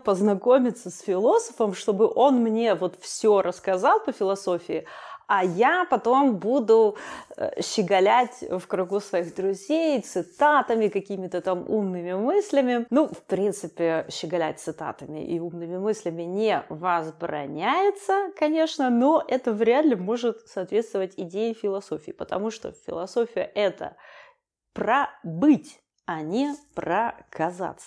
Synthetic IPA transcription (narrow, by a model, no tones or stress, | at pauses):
pəznɐko̞mʲɪt̪səsfʲɪlˠo̞sə̥fəmʂt̪o̞bɨʔo̞nmnʲe̞vo̞t̪fsʲoɾʔəskɐzɑlˠpəfʲɪlˠɐso̞fʲɪɪɐjapɐt̪o̞mbud̪ʊə̰ɕːɪɡɐlʲætʲfkɾʊɡusvɐiɣd̪ɾʊzʲejt̪sɨt̪at̪əmʲɪkɐkʲimʲɪt̪ət̪amṵmnɨmʲɪmɨsʲlʲɪmʲɪnufpɾʲint̪sɨpʲɪɕːɪɡɐlʲæ̰t̚ʲt̪sɨt̪a̰t̪əmʲɪ̰ʔḭumnɨmʲɪmɨsʲlʲɪmʲɪnʲɪevəzbɾɐ̰nʲæjɪt̪səkɐnʲe̞ʂnəno̞ʔɛt̪əvɾʲad̪lʲɪmo̞ʐɨt̪sɐːt̪vʲe̞t̪st̪vəvətʲɪdʲejɪfʲɪlˠɐso̞fʲɪːpət̪ɐmuʂt̪o̞̰fʲɪ̰lˠɐso̞fʲɪjəʔɛt̪ə̰ | prɐbɨtʲ | ɐnʲɪprəkɐza̰t̪sə